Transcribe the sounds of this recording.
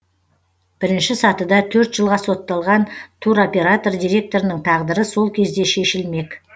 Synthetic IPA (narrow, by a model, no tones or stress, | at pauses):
b̥ɪɾɪnʃɪsɑt̪əd̪ɑt̪ʰɵɾt̪ʒ̥əlˠʁɑso̞t̪ːɑlˠʁɑnt̪ʰuɾo̞pʲe̞ɾat̪o̞rd̪ijɾʲe̞k̚t̪o̞ɾənəɴt̪ʰɑʁd̪əɾəso̞lˠkʲʰe̞zd̪e̞ʃe̞ʃɪlme̞k